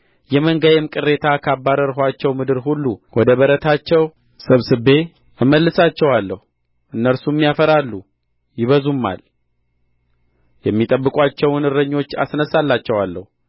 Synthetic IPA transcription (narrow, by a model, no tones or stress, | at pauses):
jɛməŋɡəjɛmkʼɨrːe̞t̪ʰakʰabːaɾəɾɦat͡ʃːɛwmɨd̪ɨɾhulːuwʔɔd̪əβəɾət̪ʰat͡ʃːɛw | sɨβsɨbːe̞ | ɨmːəlːɨsat͡ʃːɛwalːəhu | ʔɨnːəɾsumːijafəɾalːu | jɪβəzumːa̰l | jɛmːit̪ʼəbːɨkʼat͡ʃːɛwnɨɾəɲːo̞t͡ʃːa̰snəsalːat͡ʃːɛwalːə̰hu